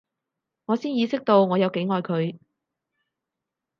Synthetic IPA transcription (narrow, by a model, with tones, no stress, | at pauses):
ŋɔː˨˧siː˥njiː˨˧sɪ˥k̚t̪o˧wŋɔː˨˧jɐ˨˧wke˨˥jŋɔː˨˧jkʰɵ˨˧ɥ